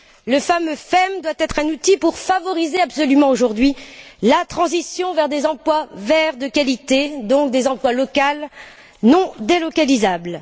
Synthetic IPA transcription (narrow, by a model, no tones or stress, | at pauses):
ləfamøfɛmd̪wat̪ɛt̪χɛ̃nut̪ipuʁfavɔʁizeabsɔlymɑ̃oʒuʁd̪ɥilat̪χɑ̃zisjɔ̃vɛʁd̪ezɑ̃plwavɛʁd̪əkalit̪ed̪ɔ̃k̚d̪ezɑ̃plwalɔkal | nɔ̃d̪elɔkalizabl